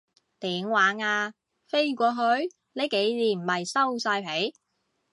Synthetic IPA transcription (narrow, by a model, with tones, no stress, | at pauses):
t̪iː˨˥mwaː˨˥ŋaː˧ | fe˥jkʷɔː˧ɦɵ˨˧ɥ | ne˨˧jke˨˥jliː˨˩m̩˨˩hɐ˨jsɐ˥wsaː˧jpʰe˨˥j